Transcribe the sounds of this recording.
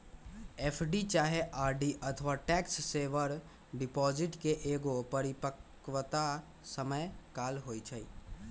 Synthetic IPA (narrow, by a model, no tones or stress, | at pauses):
epʰɖit͡ʃaɦeʔaɾɖiʔət̪ʰʋaʈɛksːeʋəɾ | ɖipɔd͡ʒiʈkeʔeɡopəɾipək | ʋt̪a | səməjkaːlɦojt͡ʃʰəi